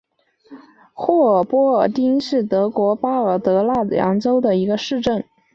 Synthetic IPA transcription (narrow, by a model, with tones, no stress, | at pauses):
xwɔ˥˩˨pwɔ˥ə˧t̪i˥ŋʂɻ̩˥˩t̪ɤ˧˥kwɔ˧˥pa˥ə˞˨˩t̪ɤ˧˥la˥˩ljɑ̰˧˥ŋʈ͡ʂo˥ʊd̪ə˨i˧˥ɡə˧ʂɻ̩˥˧ʈ͡ʂə˥˩n